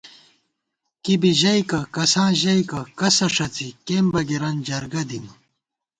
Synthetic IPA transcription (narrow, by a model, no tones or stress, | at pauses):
kibiʑɐjkɐkɐsãːʑɐikɐkɐsɐʂɐt͡sikeːmbɐɡiɾɐnd͡ʑɐɾɡɐd̪in